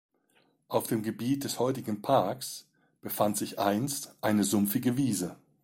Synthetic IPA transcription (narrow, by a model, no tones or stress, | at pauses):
ʔaʊfd̥eːmɡəbiːt̚d̥ɛshɔʏtɪɡŋ̩pʰaɐks | b̥əfantz̥ɪçʔaɪnstʔaɪnəzʊmfɪɡəviːzə